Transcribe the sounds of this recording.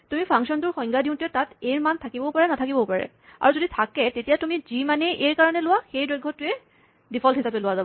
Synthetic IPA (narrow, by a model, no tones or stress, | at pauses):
tumipʰaŋksɔntʊɹxɔjŋɡadiʊ̃ntʊɛtateɹmantʰakibɔpaɹɛnatʰakibɔpaɹɛ̰ | a̰ɹuzoditʰakɛtetijatumizimanɛʔeɹkaɹanɛlʊwaxejdɔjɡʱːɔtʊɛ | dipʰɔltɦisapɛlʊwazabɔ